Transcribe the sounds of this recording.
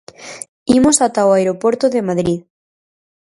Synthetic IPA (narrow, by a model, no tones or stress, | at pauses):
imosat̪aoaeɾopoɾt̪oðemaðɾið